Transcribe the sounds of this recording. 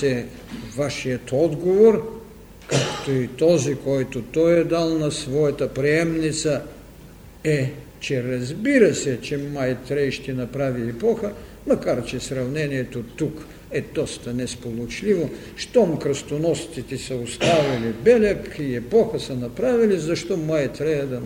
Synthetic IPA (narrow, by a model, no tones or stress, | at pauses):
ɛ | vaʃijət̪ɔd̪ɡovoɾ | kakt̪oit̪ɔzikɔjt̪ot̪ɔjɛd̪alˠnɐsvɔjɐt̪əpɾiɛmnit̪sə | ɛ | t͡ʃɛɾɐzbiɾəsɛt͡ʃɛmajt̪ɾɛjʃt̪ɛnɐpɾaviɛpɔxə | mɐkaɾt͡ʃɛsɾɐvnɛniɛt̪ot̪uk | ɛd̪ɔst̪ɐnɛspolˠot͡ʃlivo | ʃt̪ɔmkɾəst̪onɔst̪it̪ɛsɐost̪avilibɛlʲɛkiɛpɔxəsənɐpɾavilizɐʃt̪ɔmajt̪ɾɛjəd̪ɐ